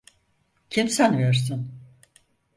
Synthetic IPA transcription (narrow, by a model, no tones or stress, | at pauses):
cʰimsænveɾsɯn